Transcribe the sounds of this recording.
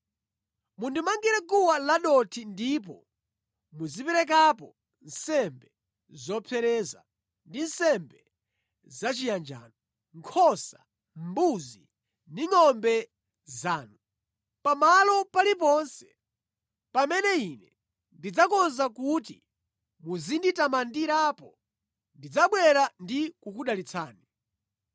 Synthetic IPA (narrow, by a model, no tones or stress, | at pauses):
mundimaŋɡiɾɛkuwalaɗɔtʰindip̬ɔ | muzipɛɾɛk̬ap̬ɔ | nsɛmbɛ | zɔpʰɛɾɛza | ndinsɛmbɛ | zat͡ʃijand͡ʒa̰ːnɔ | ŋkʰɔsa | mbuzi | niŋɔmbɛ | zaːnu | pamalɔpalipɔnsɛ̥ | pamɛnɛinɛ | ndid͡zakɔnzakuti | muzinditamandiɾaːpɔ | ndid͡zaɓwɛɾandikukuɗalit͡sʰaːni